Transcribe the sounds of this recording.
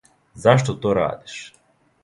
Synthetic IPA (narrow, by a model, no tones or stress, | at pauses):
zaʃt̪ot̪oːɾa̰ːd̪i̥ʃ